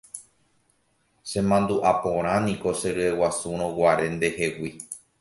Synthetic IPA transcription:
sẽ̞mãnd̪uʔapõɾ̃ãnĩko̞se̞ɾɨewasuɾ̃õwaɾe̞nd̪e̞he̞wi

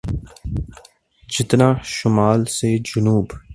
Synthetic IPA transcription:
d͡ʒɪt̪nãːʃʊmaːlsed͡ʒʊnuːb

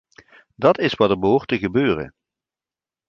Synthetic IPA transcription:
dɑtɪsʋɑdəɹbəɦʊːɹtəɣəbøːrə̰n

